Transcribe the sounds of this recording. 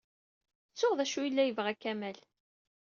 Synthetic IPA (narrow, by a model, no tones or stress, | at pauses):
t͡sːʊʁðæʃuilːæjəvʁækːæmæl